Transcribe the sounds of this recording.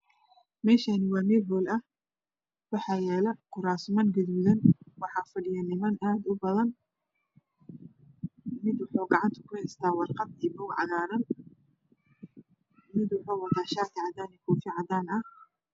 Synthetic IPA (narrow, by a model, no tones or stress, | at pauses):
mɛːʃaːnɪwɑːmɛːbɔːlɐh | wɑħɑːjɛːlɛqʊɾaːsmɐnɡɐðuðɐnwɑħɑːfɐɖɪjɐnɪmɐnʔaːd̪ʊbɐðɐn | mɪd̪wʊħɔːɡɑʕɑnt̪ʰʊ̥kʰʊhɛjst̪ʰaːwɑrqɑd̪ijbɔːɡʕɑ̰ɣaːɾɐn | mɪd̪wɑħɔːwɑðaːʃaːt̪ʰɪʕɑd̪aːnikʰɔːfɪʕɑd̪aːnɐh